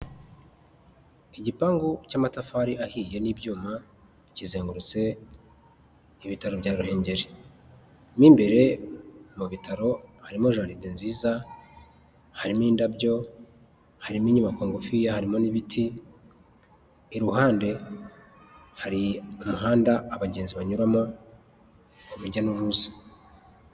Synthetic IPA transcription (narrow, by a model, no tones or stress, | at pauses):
iɟipaːŋɡucaːmatafaɾiʔahiːje̞niːbɟuːma | cizeːŋɡuɾut͡se̞ | iβitaɾobɟaːɾuhe̞ːɲɟe̞ɾe | miːmbe̞ɾe̞muβitaɾo̞haɾimoʒaːɾidinziːza | haɾimiːndabɟo̞ | haɾimiːɲumakoːŋɡofijahaɾimo̞niβitʰi | ɾuɦaːnde̞ | haɾiumuɦaːndaːβaɟe̞ːnziβaɲuɾamo | uβuɾɟanuɾuːzḁ